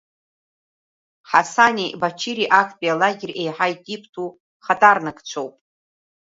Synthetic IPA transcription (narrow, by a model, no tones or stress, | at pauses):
ħasanʲibat͡ʃʰiɾiʔakʰʼpʼialaɡʲɪre̞jħajtʼipʰtʰu | χatʼarnɨkʰʼt͡ʃʷʰowpʼ